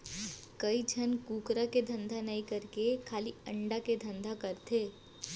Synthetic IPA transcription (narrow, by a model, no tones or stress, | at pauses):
kɐid͡ʒʱənkuːkɾaked̪ʱɐ̃nd̪ʱanɐĩkɐɾkekʰaːliɐ̃ɳɖaked̪ʱɐ̃nd̪ʱakɐɾt̪ʰeː